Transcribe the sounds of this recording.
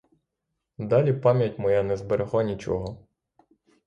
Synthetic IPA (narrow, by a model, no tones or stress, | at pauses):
d̪ɑlʲipɑmʲjɐtʲmɔjanɛzbeɾeɦɔnʲit͡ʃɔ̰ɦɔ